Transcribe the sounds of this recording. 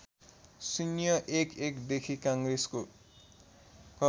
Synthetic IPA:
sinjʌʔekekd̪ekʰikãŋɡresko | kʌ

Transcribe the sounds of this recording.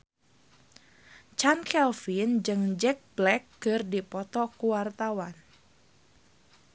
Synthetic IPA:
t͡ʃankɛlfind͡ʒɨŋd͡ʒɛk̚blɛkːɨrdipɔt̪ɔkuwart̪awan

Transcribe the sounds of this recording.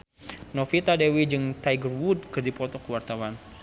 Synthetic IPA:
nofit̪adɛwid͡ʒɨŋt̪ajɡərwud̪̚kɨrdipɔt̪ɔkəwart̪awan

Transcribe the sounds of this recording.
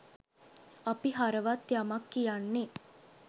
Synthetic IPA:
apiɦaɾəʋat̪jamakːijanːe

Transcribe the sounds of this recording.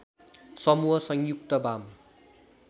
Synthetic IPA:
sʌmuɦʌsʌŋjuk̚t̪ʌbam

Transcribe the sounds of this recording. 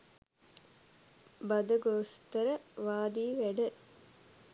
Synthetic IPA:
bɐd̪əɡoːst̪əɾəʋaːd̪iːʋæɖə

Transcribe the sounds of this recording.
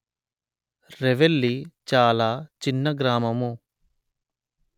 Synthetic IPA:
ɾeʋelːit͡ʃaːlaːt͡ʃinːɐɡɾaːmɐmu

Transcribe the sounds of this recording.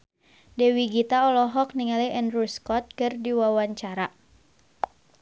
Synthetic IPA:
dɛwiɡit̪aɔlɔɦɔk̚niŋalɛɛnruskɔt̪̚kɨrdiwawaɲt͡ʃaɾa

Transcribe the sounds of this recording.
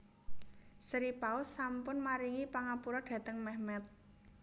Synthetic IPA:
səɾipaʊsːampʊnmaɾiŋipaŋapuɾɔɖ̥ä̤t̪əŋmɛhmɛt̪̚

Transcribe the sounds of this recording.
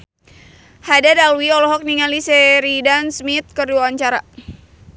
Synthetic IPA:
hadadalwiɔlɔɦɔk̚niŋalisɛɾidansmit̪̚kərduaaɲt͡ʃaɾa

